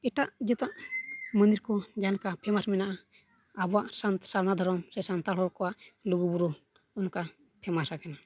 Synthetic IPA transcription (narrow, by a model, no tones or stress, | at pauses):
ɛʈaʔd͡ʒɛt̪aʔmə̃nd̪iɾkɔd͡ʒankapʰɛmasminaʔa | abɔaʔsansaɾnad̪ʱɔɾɔmsɛsant̪alɔlkɔwaʔluɡubuɾu | unka | pʰɛmasakana